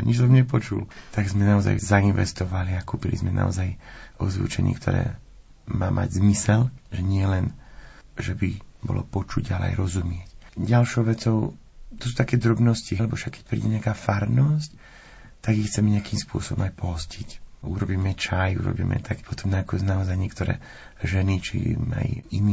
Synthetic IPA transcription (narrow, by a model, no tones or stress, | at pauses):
ɲit͡ʃsɔmɲɛpɔt͡ʃṵlt̪aɡzmɛnaɔza̰jzainʋɛ̰st̪ɔʋaliakuːpilḭzmɛna̰ɔ̰zajɔzʋṵt͡ʃɛ̰ɲḭːkt̪ʰɔ̰ɾɛ̰ː | maːmʔa̰ɟzmisɛlʒɛɲɪɛlɛn | ʒɛbibɔ̰lɔ̰pɔt͡ʃuɟalɛ̰a̰jɾɔzumɪɛcɟalʃɔʊʋɛt͡sɔʊ | t̪ɔs̬uːt̪akɛːd̪ɾɔbnɔscilɛbɔfʃakːɛ̥c̚pɾḭːɟɛɲɪakaːfaɾnɔsc | t̪aɡixt͡sɛmɛɲɛakiːmspʊɔsɔbɔmajpɔɦɔscicuɾɔbiːmɛt͡ʃajṵɾɔ̰bḭːmɛ̰t̪akpɔt̪ɔmnakɔznaɔzajɲɪɛkt̪ɔɾɛ̰ː | ʒɛnit͡ʃḭma̰jini